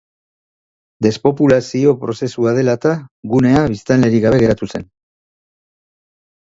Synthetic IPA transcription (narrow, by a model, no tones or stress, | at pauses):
d̪e̞spo̞pulasio̞pɾo̞se̞suaðe̞lat̪aɣune̞aβist̪anle̞ɾiɣaβ̞e̞ɣe̞ɾat̪use̞n